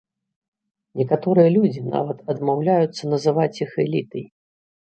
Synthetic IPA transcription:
nʲɛkat̪ɔɾɨjɐlʲud͡zʲina̰vɐt̪ɐd̪mawlʲajut̪sːɐnɐzɨvat͡sʲixɛlʲit̪ɐj

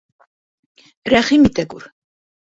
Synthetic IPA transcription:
ɾæχimit̪æɡuɾ

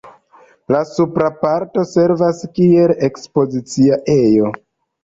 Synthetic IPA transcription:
lasupɾapaɾto̞se̞ɾvaskie̞le̞kspo̞zit͡siaʔe̞jo̞

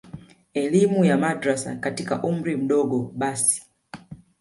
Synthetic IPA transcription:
ɛlimujamadɾasa̰katika̰ʔum̩ɾim̩ɗɔɡɔɓasi̥

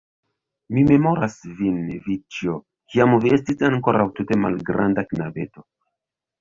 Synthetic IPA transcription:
mime̞mo̞ɾasvinvit͡ʃio | kiamvie̞stisaŋko̞ɾawtute̞ma̰lɡɾa̰ndaknave̞̰to̞

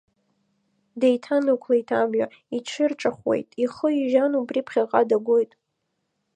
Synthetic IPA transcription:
dejtʰanakʷʰlaitʰamɥa | iʈ͡ʂʰɨrʈ͡ʂʼaχwḛjtʼiχəiʒanubripʰχʲaqʼadaɡʷojtʼ

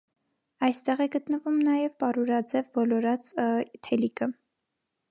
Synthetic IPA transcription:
ɑjst̪ɛʁɛɡət̪nəvumnɑjɛvpɑɾuɾɑd͡zɛvbɔlɔɾɑt͡st̪ʰɛlikə

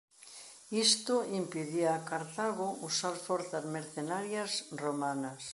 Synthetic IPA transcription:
ist̪ʊimpiðiaːkaɾt̪aɣʊusaɾfɔɾθazmeɾθenaɾjasromanɐs

